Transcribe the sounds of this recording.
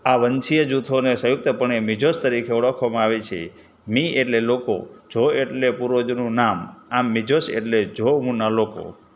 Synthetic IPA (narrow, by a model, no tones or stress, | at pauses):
aʋənt͡ʃʰijəd͡ʒut̪ʰonesəjuk̚t̪əpəɳ̃emid͡ʒost̪əɾikʰeɔɭəkʰʋamãaʋet͡ʃʰḛ | mieʈleloko̰d͡ʒʱoeʈlepuɾod͡ʒnũnamamːid͡ʒosḛʈled͡ʒʱoɦũnaloko̰